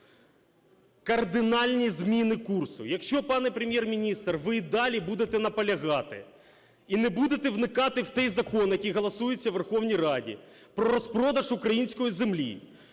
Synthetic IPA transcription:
kɐrd̪ɪnɑlʲnʲizmʲinɪkursʊjɐkʃt͡ʃɔpɑnɛpɾemʲjermʲinʲist̪rʋɪd̪ɑlʲibud̪et̪ɛn̪ɐpɐlʲɐɣɑt̪ɪ̰ | inɛbud̪et̪ɛʋnɪkɑt̪ɪwt̪ɛjzɐkɔnjɐkʲijɦɐlˠɐsujɪt͡sʲːɐʋerxɔwnʲijrɑdʲḭ | pɾɔɾɔspɾɔd̪ɐʒukɾɐjinʲsʲkɔjizemlʲḭ

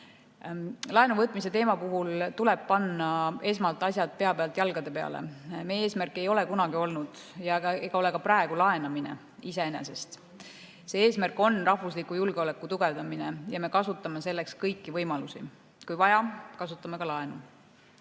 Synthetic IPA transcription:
lɑe̞nuvɤt̪ˑmise̞t̪e̞ːmɑpuɦult̪ulɛb̥̚pɑnːɑe̞s̬mɑlt̪ːˑɑsʲjɑt̪̚pe̞ɑpeɑlt̪jɑlɡ̥ɑd̪e̞pe̞ɑ̰lḛmee̞ːsmærkːˑe̞jo̞le̞kunɑɡ̥io̞lnud̪̥ | jɑeɡ̥ɑo̞le̞kɑprɑe̞ɡulɑe̞nɑminḛ | ise̞ene̞̰se̞st̪ | se̞ːe̞ːsmærkˑo̞nrɑhvuslikːˑujulɡ̥eole̞kːˑut̪uɡ̥e̞vd̪ɑmine̞jɑme̞kɑsut̪ːˑɑme̞se̞lːe̞kskɤjkːivɤjmɑlusi | kujvɑjɑkɑsut̪ːˑɑme̞kɑlɑe̞nu

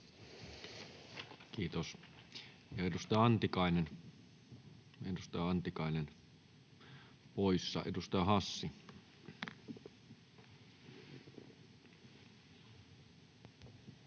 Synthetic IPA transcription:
kiːt̪os | jɑedust̪ɑjɑɑnt̪ikɑˑinen | edust̪ɑjɑɑnt̪ikɑˑinen | poisːɑ̰ʔedust̪ɑjɑhɑsːi

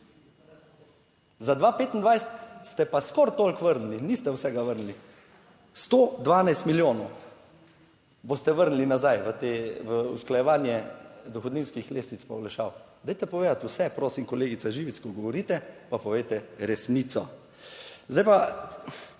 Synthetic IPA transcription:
zad̪ʋapeːt̪ind̪ʋajsɛ̥t̪st̪ɛpaskɔɾt̪olkʋəɾnulinist̪ɛwsɛɡaʋəɾnli | st̪oːd̪ʋaːnajst̪miljoːnɔʊ | bost̪ɛʋəɾnlinazajʋət̪eːʋəṵsklajɛʋaːnjɛd̪ɔxɔd̪niːnskixleːst̪ʋit̪spɐwlaʃawd̪ajt̪ɛpɔʋeːd̪at̪ʊsɛpɾoːsimkɔleːɡit̪saʒiːʋit̪skɔɡɔʋɔɾiːt̪ɛpapɔʋejt̪ɛɾɛsniːt̪sɔ | zd̪ajpa

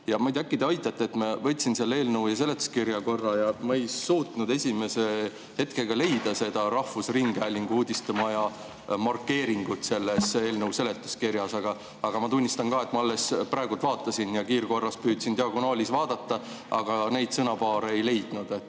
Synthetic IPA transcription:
jɑmɑjd̪ækːˑid̪̥eɑjt̪ːˑɑt̪ːeet̪ːmɑvɤt̪ʲːsinseɑlːe̞ːlnɤwjɑs̬e̞le̞t̪ːˑu̥skirjɑko̞rːɑjɑmɑejsuːt̪nud̪e̞sʲime̞se | he̞t̪keɡ̥ɑle̞jd̪ɑse̞d̪̥ɑɾɑhfusriŋɡ̥æːlʲiŋɡ̥uːd̪̥ʲist̪ɑmɑjɑ | mɑrkːe̞ːɾiŋɡ̥ut̪se̞lːese̞ːlnɤwse̞le̞t̪ːˑu̥skiɾjɑsɑɡ̥ɑ | ɑɡ̥ɑmɑt̪unʲːist̪ɑnkɑːe̞t̪ːˑmɑɑlːe̞sprɑˑe̞ɡult̪vɑːt̪ːˑɑsinjɑkiːrko̞rːɑspyːd̪̥sint̪eɑkunoːlʲisvɑːd̪̥ɑt̪ːɑ | ɑɡ̥ɑne̞jd̪̥sɤnɑpɑːɾeejle̞jd̪̥nud̪et̪ːˑ

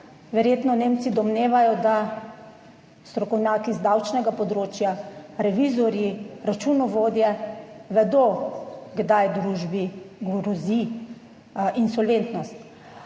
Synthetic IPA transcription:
ʋɛɾjeːt̪nɔneːmt̪sid̪ɔmneːʋajɔd̪a | st̪ɾɔkɔwnʲjaːkizd̪awt͡ʃnɛɡapɔd̪ɾoːt͡ʃjaɾɛʋizɔɾjiɾat͡ʃunɔʋoːd̪jɛʋɛd̪oɡd̪ajd̪ɾuːʒbiɡɾɔzi | insɔlʋeːnt̪nɔst̪

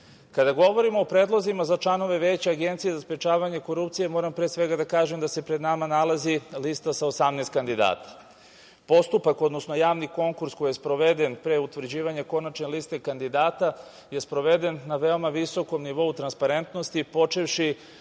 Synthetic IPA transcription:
kad̪aɡo̞ʋo̞ɾimo̞ːpɾeːd̪lˠozimazat͡ʃlˠano̞ʋe̞ʋe̞t͡ɕeaɡe̞nt̪sije̞zaspɾet͡ʃaːʋaɲeko̞ɾupt̪sije̞mo̞ːɾampɾesʋe̞ɡad̪akaːʒe̞md̪ase̞pɾed̪namanalazilist̪asaosamneːst̪kand̪id̪a̰ːt̪ḁ | po̞st̪upako̞d̪no̞sno̞jaːʋniko̞ŋkuɾsko̞jespɾo̞ʋe̞d̪e̞npɾeut̪ʋr̩d͡ʑiːʋaɲeko̞nat͡ʃnelist̪e̞kand̪id̪aːt̪a | je̞spɾo̞ʋe̞d̪e̞nːaʋe̞omaʋiso̞ko̞mniʋo̞ut̪ɾanspaɾe̞nt̪no̞st̪ipo̞t͡ʃeʋʃi

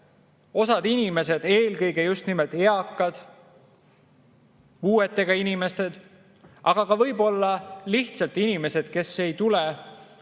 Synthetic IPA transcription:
o̞sɑd̪̥inime̞se̞d̪̥e̞ːlkɤjɡe̞just̪nimelt̪eɑkˑːɑd̪̥ | puːe̞t̪ːˑe̞ɡ̥ɑinime̞st̪e̞d̪̥ | ʔɑɡ̥ɑkɑvɤjbo̞lːɑliht̪sɑlt̪inime̞se̞d̪̥ke̞sːe̞jt̪ule

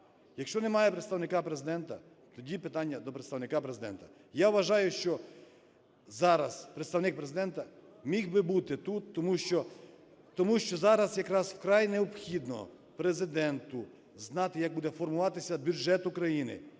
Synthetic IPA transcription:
jɐkʃt͡ʃɔnɛmɑjɛpɾɪt̪st̪ɐwnɪkapɾezɪd̪ɛnt̪ɐ | t̪ɔdʲipɪt̪ɑnʲːɐd̪ɔpɾet̪st̪ɐwnɪkapɾezɪd̪ɛ̰nt̪ɐ̥ | jaʋʋɐʒɑjʊʃt͡ʃɔ | zɑɾɐz̥pɾet̪st̪ɐʋnɪk̚pɾezɪd̪ɛnt̪ɐ | mʲixbɪbut̪ɪt̪ut̪ːɔmuʃt͡ʃɔ | t̪ɔmuʃt͡ʃɔzɑɾɐsjɐkɾɑzwkɾajneɔpxʲid̪nɔ̰ | pɾezɪd̪ɛnt̪ʊ | znɑt̪ɪjɐk̚bud̪ɛfɔrmʊʋɑt̪ɪsʲɐbʲjud͡ʒɛt̪ukɾɐjinɪ̰

